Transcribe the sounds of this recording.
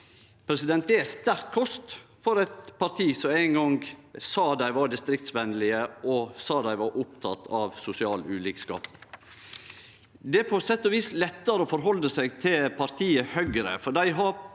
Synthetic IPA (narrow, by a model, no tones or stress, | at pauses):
pʰɾɛsɪd̪ɛnt̪̚d̪ɛæst̪æɾkkʰɔst̪fɔɾæɪt̪pʰɑɾt̪ʰiːsɔmæɪŋɡɔŋɡsɑːd̪æɪʋɑɾɖɪst̪ɾɪk̚t̪sʋɛnlɪəʔɔsɑːd̪æɪʋɑɾʔʊp̚t̪ʰɑ̰t̪ʰɑʋsʊsɪɑːlʉːliːkskɑ̰ːp | d̪ɛæpʰɔsɛt̪ːɔʋiːslɛt̪ːəɾəoːfɔɾɦɔləsæɪɡt̪ʰɪlpʰɑɾt̪ʰiːəhœɡɾə̰fɔɖæɪɦɑɾ